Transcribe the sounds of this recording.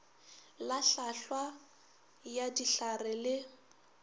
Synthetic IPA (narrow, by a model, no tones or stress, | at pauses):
laɬaɬwa | jadiɬarɪlɪ